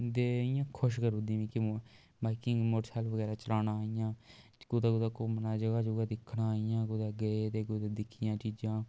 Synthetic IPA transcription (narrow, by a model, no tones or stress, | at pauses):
d̪eːɪjãːkʰʊʃkəɾũd̪ĩːʋĩːkɪ | baːɪkɪŋɡmoːɾsʰaːlʋəɡɛːɾaːt͡ʃəlaːnaːɪjãː | kʊd̪aːɡʊd̪aːkoːmənaːd͡ʒəɡaːd͡ʒoːɡad̪ɪkʰːnãːijãːɡʊd̪aːɡəet̪eːɡʊd̪ad̪ɪkʰɪjãːt͡ʃiːd͡ʒãː